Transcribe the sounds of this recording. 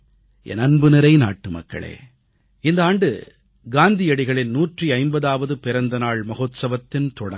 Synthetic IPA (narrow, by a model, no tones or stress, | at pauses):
ɛ̰nɐnbɯnɪɾɐɪna̰ːʈːɯmɐ̰kːɐ̰ɭḛː | ɪnd̪ɐaːɳɖɯ̰ | ɡaːnd̪ɪjɐɽɪɣɐɭɪnnuːʈriɐɪmbɐðaːʋɐðɯpɪɾɐnd̪ɐnaːɭmɐɣoːt̪sɐʋɐt̪ːɪnt̪ɔɽɐ